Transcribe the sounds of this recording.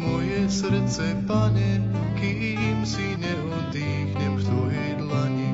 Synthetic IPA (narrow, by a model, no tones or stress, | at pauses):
mɔjɛsɾt̪sɛpaɲɛ | ki | msinɛɔd̪iːxɲɛmkt̪ojɛjd̪laɲi